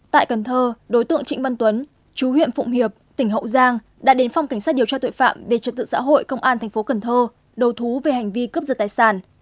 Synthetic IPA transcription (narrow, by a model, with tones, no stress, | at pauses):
t̪a̰ː˧˨jkə˨˩nt̪ʰəː˧ɗo˨˦jt̪ɨ̰˧˨əŋt͡ɕï˧˥ŋ̟va˧nt̪wə˨˦n | t͡ɕu˨˦hwḭ˧˨ənfʊ̰˧˨ŋ͡mhi˨˩əp̚t̪ï˧˩ŋ̟ɦə̰˧˨wzaː˧ŋ | ɗa̰ː˧˥ɗe˨˦nfa˧wŋ͡mka˧˩ŋ̟saː˦˥t̚ɗi˨˩əwt͡ɕaː˧t̪o̰˧˨jfa̰ː˧˨mve˨˩t͡ɕɨ˨˩k̪̚ɨ̰˧˨sa̰ː˧˥ɦo̰˧˨jkə˧wŋ͡mʔaː˧nt̪ʰɛ˨˩ŋ̟fo˨˦kə˨˩nt̪ʰəː˧ | ɗə˨˩wt̪ʰu˨˦ve˨˩ha˨˩ŋ̟vi˧kə˦˥p̚zə˨˩aː˨˩jsaː˧˩n